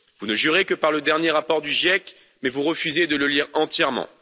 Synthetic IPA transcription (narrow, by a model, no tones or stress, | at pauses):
vunəʒyʁekəpaʁləd̪ɛʁnjeʁapɔʁd̪yʒjɛk | mɛvuʁəfyzed̪ələliʁɑ̃t̪jɛʁmɑ̰̃